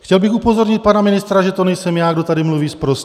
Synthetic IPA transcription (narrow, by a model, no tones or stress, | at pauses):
xcɛlbɪxupo̞zo̞ɾɲɪt̪̚panamɪnɪst̪ɾaʒɛt̪onɛjsɛmjaːɡdo̞t̪adɪmluviːspɾos